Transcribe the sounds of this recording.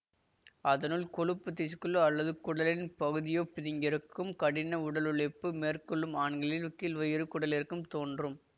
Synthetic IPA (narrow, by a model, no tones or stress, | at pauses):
ʔɐðɐnɯlkɔɻɯpːɯt̪ːɪskːɯlːɯɐlːɐðɯkʊɽɐlɪnpɐɣɯðɪjoːpɪðɪŋɡɪɾɯkːɯmkɐɽɪnɐʊɽɐlɯɭɐɪpːɯmeːrkɔɭːɯmaːnɡɐɭɪlʊkːilʋɐjɪɾɯkʊɽɐlɪɾɯkːɯmt̪oːndrɯm